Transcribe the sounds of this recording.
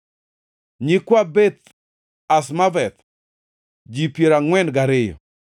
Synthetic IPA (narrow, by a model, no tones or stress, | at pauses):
ɲikwabet̪ | asmavɛt̪ | d͡ʒipjeɾaŋwɛnɡaɾɪjɔ̰